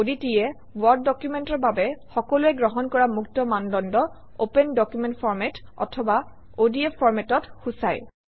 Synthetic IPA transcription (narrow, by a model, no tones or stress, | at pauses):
oditijɛ | wɔɹd̚ːɔkjumentɔɹbabɛxɔkɔluɛɡɹɔɦɔnkɔɹamuktɔmandɔndɔ | opɛndɔkjumɛ̃ntpʰɔɹmɛtɔ̰tʰɔba | odiepʰːɔɹmɛtɔtxusaj